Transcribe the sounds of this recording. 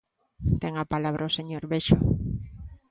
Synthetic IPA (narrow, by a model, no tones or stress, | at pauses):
t̪ɛŋapalaβɾʔaoseɲoɾβeʃʊ